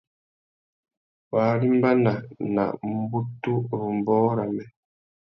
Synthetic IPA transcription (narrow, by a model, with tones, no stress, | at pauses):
wa˨li˦mba˦na˨na̰˨ʔm̩˦bu˦tu˦˨m˨bɔː˦ɾa˨mɛ˨